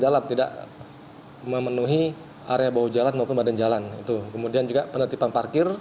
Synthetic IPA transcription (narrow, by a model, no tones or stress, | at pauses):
dalamt̪ida̰ʔ | məmənuɦi | a̰ɾeabaɦud͡ʒalanmaupʊnbadand͡ʒalanit̪ukəmudiand͡ʒuɡapənət̪ipanparkɪr